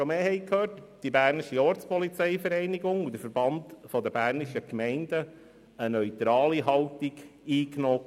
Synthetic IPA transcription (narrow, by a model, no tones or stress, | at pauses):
ʃomeːhɛɪkʰhøːrtd̥ibæːrniʃiɔːɾt͡spɔlit͡sɛɪfəɾɛɪniɡʊŋud̪əfəɾbɑnd̪fɔd̪əbæːrniʃəkmɛɪndə | ənœʏt̪ɾɑːliɦɑlt̪iɡ̥iːknɔː